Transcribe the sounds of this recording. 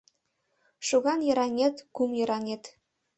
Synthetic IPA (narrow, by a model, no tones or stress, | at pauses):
ʃuɣɑnjɤ̆ɾɑnʲet̪kumjɤɾɑnʲet̪